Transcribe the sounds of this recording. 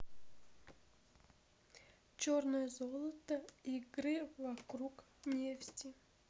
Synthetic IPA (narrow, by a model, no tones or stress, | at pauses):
t͡ɕornɨjəzolˠət̪əiɡɾɨvɐkɾuk | nʲeftʲɪ